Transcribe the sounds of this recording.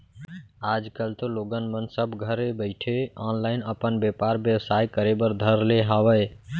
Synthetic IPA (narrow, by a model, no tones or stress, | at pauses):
aːd͡ʒkəlt̪oloːɡənmənsəbɡʱəɾebəɪʈʰeaːnlaːɪnəpənbepaːɾbjəʋsaːikəɾebəɾd̪ʱəɾleɦaːʋəj